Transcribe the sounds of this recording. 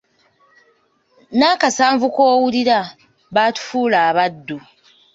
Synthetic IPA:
naːkasaːɱvukoːwuliɾa | βaːtu̥fuːlaːβadːu

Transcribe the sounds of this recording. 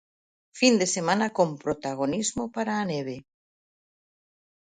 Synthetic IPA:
find̪esemãnakompɾot̪aɣonizmopaɾaːneβ̞e

